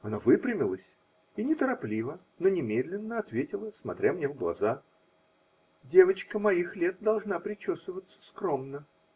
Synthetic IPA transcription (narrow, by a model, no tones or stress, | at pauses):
ɐnovɨpɾʲɪmʲɪlˠəsʲ | inʲɪt̪əɾɐplʲivə | nonʲɪmʲed̪lʲɪnːəɐt̪vʲetʲɪlˠəsmɐ̰t̪ɾʲamnʲevɡlˠɐ̰za | dʲevət͡ɕkəmɐixlʲe̞t̪̚d̪ɐlˠʐnapɾʲɪt͡ɕosvəvət̪sə̥skɾo̞mnə